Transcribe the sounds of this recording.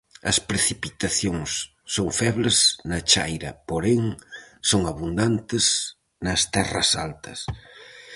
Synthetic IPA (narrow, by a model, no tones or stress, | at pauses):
ɐ̰spɾeθipit̪aθjoŋsː | oŋfɛβlɪznɐt͡ʃa̰jɾɐ̰poɾeŋsoŋaβund̪ant̪ɪs | nɐst̪ɛrɐ̰sa̰lt̪ɐ̰s